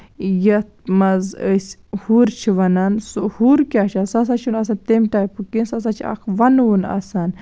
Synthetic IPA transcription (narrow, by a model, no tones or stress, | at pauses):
jɐt̪̚ʰmɐzəsʲhuɾt͡ʃʰiʋɐnɐnsohuɾkʲat͡ʃʰɐnsɐs̬at͡ʃʰunɐs̬ant̪emʈaːjpukinsɐs̬at͡ʃʰiɐ̰kʰʋɐnunɐ̰san